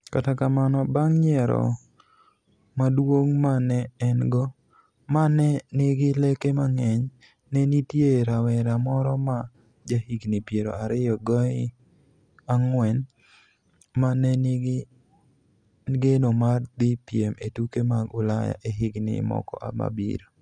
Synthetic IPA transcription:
katakamanɔbaŋɲɛɾɔ̰ | madwoŋmanɛːnɡɔ | manɛnɪɡɪlekemaŋɛɲ | nɛnitjeɾawɛɾamɔɾɔma | d͡ʒahiɡnɪpjeɾo̰aɾɪjɔɡɔɪ | aŋwɛn | manɛnɪɡɪ | ɡenomard̪ɪpjemetukemaɡʊla̰ja̰ʔeɦɪɡnɪ̰mɔ̰kɔ̰ʔa̰ma̰bḭɾo

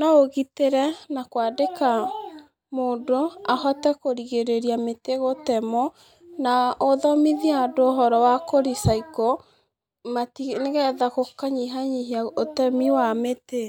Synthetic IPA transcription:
naoɣiteɾɛnakwadeka | moːdoahɔtɛkoɾiɣeɾeɾiameteɣotɛmɔ | naoðɔmiðiadooɦɔɾɔwakoɾisaiko | matineɣɛðaɣokaɲiɦaɲiɦiaotɛmiwamete

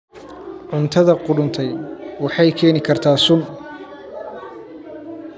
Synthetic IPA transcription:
ʕʊnt̪ʰɐðɐqʊɽʊnt̪ʰɛjwɑħɑjkʰɛːnɪkʰɐrt̪ʰaːsʊn

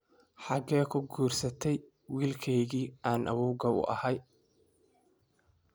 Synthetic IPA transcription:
ħɑɡɛːkʰʊɡuːrsɐt̪ʰɛj | wiːlkʰɛjɣiːʔaːnʔɐ̰wuːɣɐʊ̰ʔɐ̰hɐj

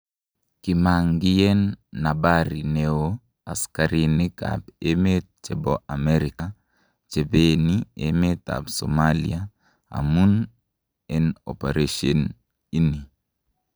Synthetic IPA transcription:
kimaŋɡijɛnːabaɾineo | askaɾinika̰bemet̪̚t͡ʃɛbɔʔamɛɾika | t͡ʃebeniḛmet̪a̰bso̰malḭa | a̰mun | ɛnɔ̰peɾeʃɔn | ini

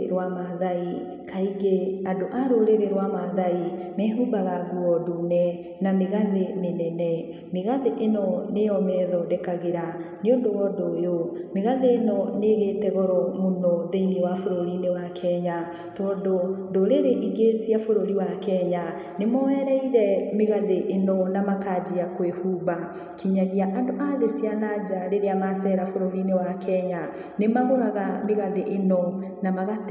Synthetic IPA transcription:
ɾwamaðai | kaiɡeadoʔaɾoɾeɾeɾwamaðai | mɛɦubaɣaɡuɔdunɛ | nameɣaðemenɛnɛ | meɣaðeʔenɔnejɔmɛðɔdɛkaɣeɾa | neondowɔdojomeɣaðeːnɔneɣeːtɛɣɔɾɔmonɔðeiŋɡewafoɾoɾinewakʰɛɲa | tɔːndodoɾeɾeʔiɡesiafoɾoɾiwakɛɲa | nemɔɛɾɛiɾɛmeɣaðeʔenɔnamakad͡ʑiakwehuβa | kiɲaɣiaʔandoʔaðesianad͡ʑaɾeɾeamasɛɾafoɾoɾinewakʰɛɲa | nemaɣoɾaɣameɣaðeʔenɔ | namaɣat

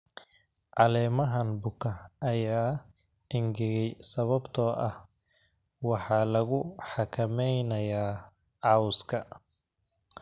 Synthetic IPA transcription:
ʕɑlɛːmɐɦɐnbʊkʰɐʔːjaː | ɪŋɡɪɣɛjsɐβɐbt̪ʰɔːʔɐh | wɑħɑːlɐɣʊħɑkʰɐmɛjnɐjaː | ʕɑʊskʰɐ

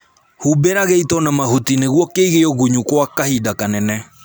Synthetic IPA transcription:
hubeɾaɣeitɔnamaɦutineɣwɔkeiɣeɔɣuɲukwakahidakanɛnɛ

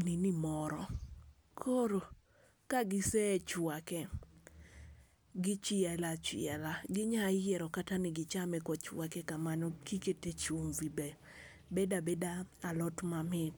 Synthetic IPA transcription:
ninimɔɾɔ | kʰoɾo | kaɡɪsɛt͡ʃwakɛ | ɡɪt͡ʃɪɛlat͡ʃɪ̰ɛlaɡɪɲaɪjjɛɾɔkatanɪɡɪt͡ʃamɛkɔt͡ʃwakɛkamanɔkiketet͡ʃumvibe | bedabedaalɔtmamɪt

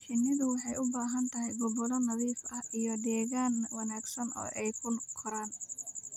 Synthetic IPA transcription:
t͡ʃɪnːɪðʊwɑħɑjʊbaːɦɐnt̪ʰɐɦɛjɡʊbɔlɔnɐðiːfʔɐhʔijɔd̪ɛːɣaːnwɑnaːɡsɐnɔ̰ːʔɛjkʰʊnqʰɔɾaːn

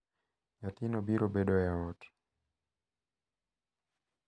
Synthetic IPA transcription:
jatinɔbiɾɔbɛɗɔjaɔti̥

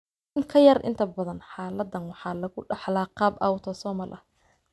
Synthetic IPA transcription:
ŋkʰɐjɐrʔɪ̰nt̪ʰɐbɐðɐnħɑːlɐd̪ːɐnwɑħɑːlɐɣʊɖɑħlaːqɑːbʔɐ̰wt̪ʰɔsɔːmɐlʔɐ

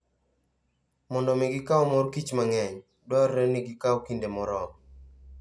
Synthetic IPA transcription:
mɔndɔmɪɡɪkawmɔrkit͡ʃmaŋɛɲ | dɔrːɛnɪɡɪkawkindemɔɾɔm

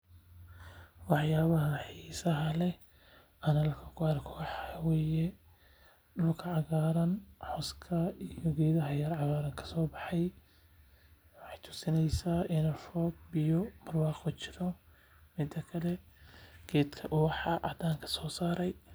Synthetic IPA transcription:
wɑħjaːβɐɦɐħiːsɐɦɐlɛ | ɐnɐlkʰɐkʰʊarkʰɔːħɑwɛːjɛ | ɗʊlkʰɐʕɑɣaːɾɐnħɔskʰɐijɔɡɛːðɐɦɐjɐrʕɑɣaːɾɐŋkʰɐ̥sɔːbɑħɑj | wɑħɑjt̪ʰʊ̥sɪnɛjsaːʔɪnɐfɔːɡ̚bijɔmɐrwɑːqɔt͡ʃʰɪ̥ɾɔ | mɪd̪ɐkʰɐlɛɡ̥ɛːd̪kʰɐʔʊːħɑʔɑ̰d̪aːŋkʰɐ̥sɔːsaːɾɛj

